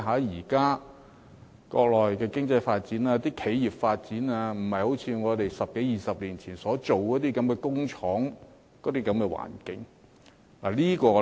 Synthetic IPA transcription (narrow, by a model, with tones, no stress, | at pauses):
ɦaː˨˥jiː˨˩kaː˥ | kɔ̰ː˧k̚lɔː˨˩jkɛː˧kɪ˥ŋt͡sɐ˧jfaː˧t̚t͡siː˨˥naː˧t̪iː˥kʰe˨˥ji˨p̚faː˧t̚t͡siː˨˥naː˧m̩˨˩hɐ˨˩jho˨˥wt͡sʰiː˨˧ŋɔː˨˧t̪e˨jsɐ˨p̚ke˨˥jiː˨˩sɐ˨p̚liː˨˩nt͡sʰiː˨˩nsɔː˨˥t͡so˨wkɔː˨˥t̪iː˥kɐ˨˥mkɛː˧kʊ˥ŋt͡ʃʰɔː˨˥ŋ | kɔː˨˥t̪iː˥kɐ˨˥mkɛː˧wa̰ː˨˩nkɪ˨˥ŋ | la˨˩liː˥kɔː˧